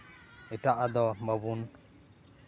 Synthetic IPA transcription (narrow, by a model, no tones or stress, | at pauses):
ɛʈaʔad̪ɔməbun